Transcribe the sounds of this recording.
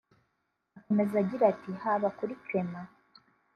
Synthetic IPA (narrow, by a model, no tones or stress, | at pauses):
ako̞me̞zaɟiɾatihaβakuɾicwe̞ma